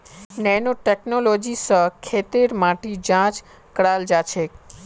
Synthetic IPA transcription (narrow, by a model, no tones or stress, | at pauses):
nɛnoʈeknolod͡ʒisəkʰet̪eɾmaʈid͡ʒãt͡ʃ | kəɽald͡ʒat͡ʃʰe